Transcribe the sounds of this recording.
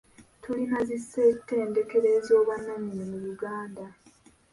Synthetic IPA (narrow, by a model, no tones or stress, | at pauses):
tʰulinazisːetːe̞ːnde̞ke̞ɾe̞ːzo̞ːβanːaɲinimuβuɡaːnda